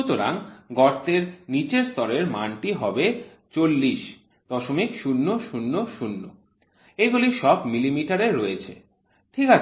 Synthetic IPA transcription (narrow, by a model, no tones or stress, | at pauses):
ut̪oɾa̰ŋɡɔɾt̪eɾnit͡ɕeɾst̪ɔɾeɾmanʈiɦɔbe | t͡ɕolːiʃ | d̪̥ɔʃomikʃunːoʃunːoʃunːo̰ | eɡuliʃɔbmilimiʈaɾeɾːojet͡ɕʰḛ | ʈʰika